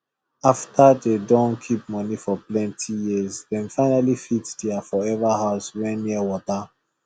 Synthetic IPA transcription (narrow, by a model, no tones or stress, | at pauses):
aftʰadedɔ̃nkʰip̚mɔnifɔplɛ̃ntʰijizdɛ̃nfaɪnalifitdiafɔɛvahaʊswɛ̃nːiəwɔta